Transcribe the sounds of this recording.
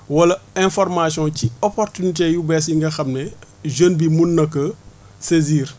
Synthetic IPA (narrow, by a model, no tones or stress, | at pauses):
wɐlɐɛ̃fɔrmasjɔ̃ciɔpɔrtunit̬ejubɛs̬iŋɡɐxɐmnɛ | ʒənbimunːɐkːɐ | seziːr